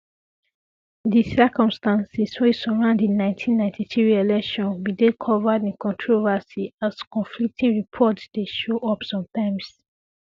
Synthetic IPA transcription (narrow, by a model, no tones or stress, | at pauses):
ðisɜkɔ̃mstãnsiswesɔɹãʊ̃ndĩnːãɪ̃ntʰĩnːãɪ̃ntʰiθɹiɹielɛkʃɔ̃nbidekʰɔvədĩnkɔ̃ntʰɹovəsiaskɔ̃nflik̚tʰĩŋɹipʰɔtsd̥eʃoʔɔpsɔ̃mtãɪ̃ms